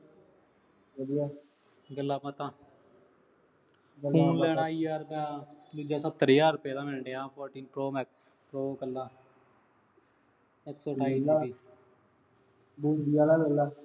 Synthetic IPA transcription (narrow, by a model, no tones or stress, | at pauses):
əɾia | ɡəlːaːpət̪ãː | ɡəuːnlɛːɽãːiːjaːɾpɛd̪ʊd͡ʒaːsət̪ːəɾjaːɾʊpeːd̪aːmɛ̃ːɳɖeːãːpʰɔːɾʈĩːnpɾoːmɛːk | pɾoːkəlːaː | ɛksoːʈʰaːiiː | buːdijaːlaːɡəlːaː